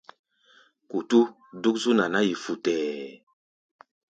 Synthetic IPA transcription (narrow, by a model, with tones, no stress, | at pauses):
ku˨tu˦ | du˦k̚su˦na˨na˦ji˨fu˨tɛː˨